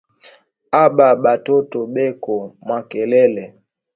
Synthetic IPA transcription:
aɓaɓatɔtɔɓɛkɔmwakɛlɛlɛ

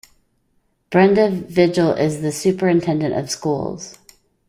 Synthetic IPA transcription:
b̥ɹɛ̃ndəvvɪd͡ʒl̩ˠɪzðɨsʉpə˞ɨ̃ntʰɛ̃ndɨ̃ñtʌ̰v̥skṵlˠz̥

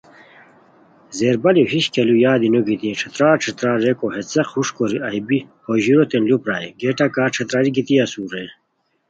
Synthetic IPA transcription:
zeːɾbɐljohiɕkelujaːd̪inuɡit̪ĩʈ͡ʂʰɐt̪ɾaːʈ͡ʂʰɐt̪ɾaːɾekoɦet͡sequʂkoɾiɐjbihoʑiɾot̪enlupɾaːiɡeʈakaːʈ͡ʂʰɐt̪ɾaɾiɡit̪iɐsuːɾe

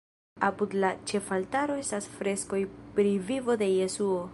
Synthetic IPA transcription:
apudlat͡ʃe̞faltaɾo̞e̞stasfɾe̞sko̞jpɾivivo̞de̞je̞suo̞

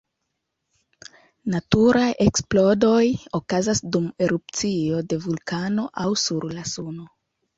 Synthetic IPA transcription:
natuɾajʔe̞ksplo̞do̞jo̞kazasdume̞ɾup̚t͡sio̞de̞vulkano̞ʔawsuɾlasuno

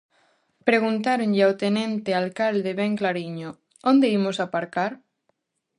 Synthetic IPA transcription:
pɾeɣ̞unt̪aɾoɲʎeawt̪enẽnt̪ealkald̪eβeŋklaɾiɲo | ond̪eimosapaɾkaɾ

